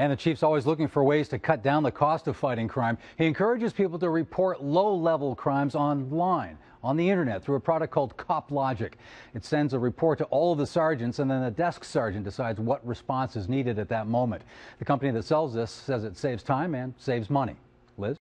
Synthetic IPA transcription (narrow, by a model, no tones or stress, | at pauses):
ɨ̃nðɨt͡ʃʰifsɔlˠwizlʊkɪ̃ŋfə˞weɪz̥tʰɨkʰʌt̚d̥ãʊ̃nðɨkʰɔstʌv̥faɪɾɪ̃ŋkʰɹ̥ãɪ̃m | iɨ̃nkʰɜ˞ɨd͡ʒɨz̥pipl̩ˠtɨɹɨpʰɔɹtˡloʊlɛvl̩ˠkʰɹ̥ãɪ̃mzɑ̃nlãɪ̃n | ə̃nðiɪ̃ɾ̃ə˞nɛt̪̚θɹuəpʰɹ̥ɑɾɨk̚kʰɔlˠd̚kʰɑplɑd͡ʒɨkɨtsɛ̃ndzəɹɨpʰɔɹtʰəʔɔlˠʌvðəsɑɹd͡ʒɨ̃ntsɨ̃nðɨ̃nðɨdɛsksɑɹd͡ʒɨ̃nd̥ɨsaɪdzwʌt̚ɹɨspɑ̃nsɨzniɾɨɾɨt̪̚ðɨt̚mõʊ̃mɨ̃nðɨkʰʌ̃mpɨniðɨtsɛlˠvzðɪsɛzɨtseɪvz̥tʰãɪ̃mɨ̃nseɪvzmʌñḭ | lɪz̥